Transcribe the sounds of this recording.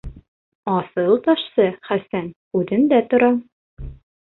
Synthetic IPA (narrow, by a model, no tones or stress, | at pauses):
ɒsɤlˠt̪ɒʃsɤχæsæn | ʉðɘnd̪æt̪ŏɾɑ